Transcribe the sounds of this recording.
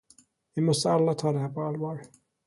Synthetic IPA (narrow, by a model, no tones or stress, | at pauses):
vimɔst̪əalːat̪ʰɑːd̪ɛhæːpʰɔalvɑːɹ